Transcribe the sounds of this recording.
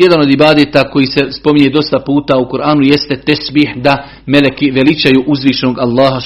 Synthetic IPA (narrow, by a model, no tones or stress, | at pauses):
je̞d̪ano̞d̪ibaːd̪eːt̪aːko̞jiːse̞spo̞miɲed̪o̞st̪apuːt̪aːukuɾʔaːnujest̪et̪ɛsbiːhd̪a | melekiʋe̞lit͡ʃajuːʔuzʋiːʃenoːɡalˠːaːɦa